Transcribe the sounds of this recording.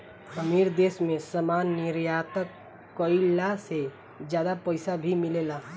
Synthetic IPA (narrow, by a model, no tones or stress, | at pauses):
səmiɾd̪eːsmẽsəmaːnːiɾjat̪əkː | əɪlase | d͡ʒjaːd̪apəɪsabʱimɪlela